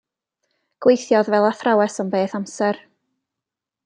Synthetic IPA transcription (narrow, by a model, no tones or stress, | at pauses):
ɡ̥wejθjɔðvɛlˠaθrawɛsɔmbeːθamsɛr